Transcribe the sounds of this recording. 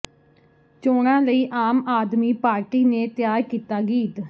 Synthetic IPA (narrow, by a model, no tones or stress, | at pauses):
t͡ʃoːɽ̃ãːləiːʔaːmaːd̪miːpaːɾʈiːneːt̪jaːɾkiːt̪aːɡiːt̪